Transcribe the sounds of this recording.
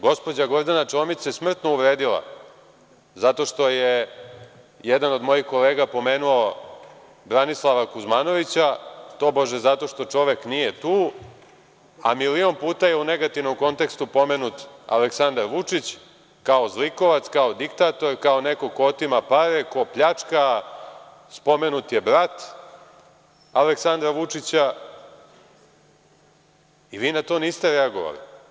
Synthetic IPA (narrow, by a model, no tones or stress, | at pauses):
ɡo̞spo̞d͡ʑaɡo̞ɾd̪anaʈ͡ʂomisesmr̩t̪no̞uʋɾeːd̪ila̰ | zat̪o̞ʃt̪o̞je | jed̪ano̞d̪mo̞jixko̞leːɡapo̞meːnuo | bɾanislˠaʋakuzmano̞ʋit͡ɕat̪o̞boʒezat̪o̞ʃt̪o̞t͡ʂo̞ʋeknijet̪uː | a̰milio̞npuːt̪aje̞une̞ɡat̪iʋno̞mko̞nt̪e̞kst̪upo̞menut̪a̰leksand̪aɾʋut͡ʂit͡ɕ | kao̞zliko̞ʋat̪skaod̪ikt̪aːt̪o̞ɾkao̞neko̞koot̪imapaɾeko̞pʎat͡ʂka | spo̞menut̪jebɾat̪ | aleksand̪ɾaʋut͡ʂit͡ɕa | iʋiːnat̪o̞ːniːst̪eɾɛaɡo̰ʋa̰lḭ